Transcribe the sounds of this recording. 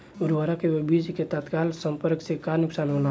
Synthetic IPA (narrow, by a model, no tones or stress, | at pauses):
ʊɾʋaɾakebid͡ʒket̪ət̪kaːlsə̃mpəɾksekanʊksaːnɦona